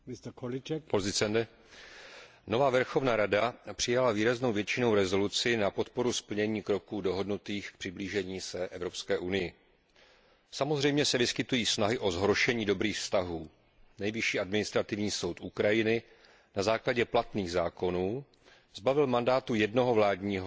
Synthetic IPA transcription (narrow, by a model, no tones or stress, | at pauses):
mɪst̪kolɪt͡ʃɛkpozɪt͡sɛndɛ | no̞vaːvɛɾxo̞vnaːɾadapr̥ɪjalaviːɾazno̞wvjɛt͡ʃɪno̞wɾɛzo̞lut͡sɪnapo̞t̪po̞ɾuspl̩ɲɛɲiːkɾo̞kuːdo̞ɦo̞dnut̪iːxk̚pr̝̥ɪbliːʒɛɲiːsɛʔɛvɾo̞pskɛːʔunɪjɪ | samo̞zr̝ɛjmɲɛsɛvɪskɪt̪ujiːsnaɦɪʔo̞zɦɾoʃɛɲiːdo̞bɾiːxfst̪aɦuː | nɛjvɪʃiːʔadmɪnɪst̪ɾat̪ɪvɲiːso̞wt̪ʔukɾajɪnɪ | nazaːklaɟɛplat̪niːɣzaːko̞nuː | z̥bavɪlmandaːt̪ujɛdno̞ɦo̞vlaːdɲiːɦo